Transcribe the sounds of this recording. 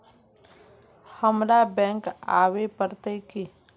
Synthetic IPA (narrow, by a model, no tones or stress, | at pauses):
həmɾabɛ̃ːŋka̰ːwepəɾt̪eki